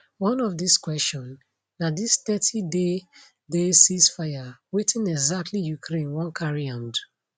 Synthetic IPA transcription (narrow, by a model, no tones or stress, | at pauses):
wɔ̃nɔfdiskwɛst͡ʃɔ̃nː | adistɛtʰide | desisfajawetʰĩnɛɡzak̚tʰlijukʰɾẽnwɔ̃nkʰaɹiãnd